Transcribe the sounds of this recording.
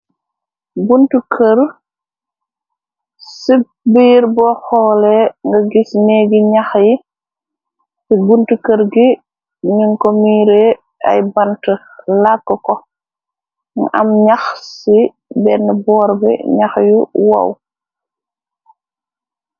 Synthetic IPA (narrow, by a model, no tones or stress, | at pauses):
buntukʰəɾ | sib̚ | biːɾbɔxɔːlɛŋɡɐɡisnɛɡiɲaxji | sibuntukəɾɡi | ɲuŋkomiːɾɛ | ʔa̰jbantə | lakːɔkɔ | ŋa̰mɲaxsi | bɛnəbɔːɾbɛ̰ɲaxjuwa̰w